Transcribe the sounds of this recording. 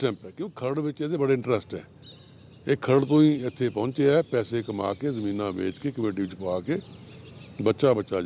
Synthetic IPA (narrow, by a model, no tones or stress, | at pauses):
ʈɛ̃ːmpɛːkjõːkɪ̥kʰəɾəɽʋɪt͡ʃeːd̪ebəɽeɪ̃ɳʈɾɛsʈɦɛ̰ː | eːkʰːəɾəɽt̪õːĩːɪt̪ʰːepɔ̃ʊ̃nt͡ʃeːɛːpɛːsekəma̰ːkeːzəmĩːnãːbḛːd͡ʒkeːkəmjuːʈiːʋɪt͡ʃpaːkeː | bətːʃaːbəːt͡ʃaːd͡ʒa